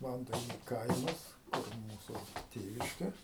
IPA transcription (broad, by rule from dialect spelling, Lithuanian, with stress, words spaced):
ˈʋɐntɐɪnʲʊ ˈkɐɪmɐs kʊr ˈmuːsʊ ˈtʲeːʋʲɪʃʲkʲɛ